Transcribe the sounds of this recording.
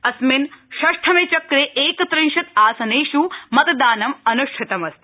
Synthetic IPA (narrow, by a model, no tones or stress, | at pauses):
ɐsminʃɐʂʈʰɐmet͡ʃɐkɾeʔeːkɐt̪ɾĩnʃɐt̪aːsɐneːʃumɐt̪d̪aːnɐmɐnuʃʈʰit̪ɐmɐst̪i̥